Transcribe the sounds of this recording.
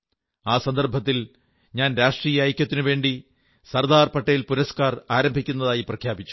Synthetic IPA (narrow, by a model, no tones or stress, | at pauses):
aːsɐnd̪ɐrbʱɐt̪ːil | ɲaːnɾaːʂʈriːjɐːjkʲːɐt̪ːinɨʋe̞ːɳɖi | sɐrd̪aːrpɐʈːɐjilpuɾɐskaːraːɾɐmbʱikʲːunːɐðaːjiprɐkʰjaːbit͡ɕːu̥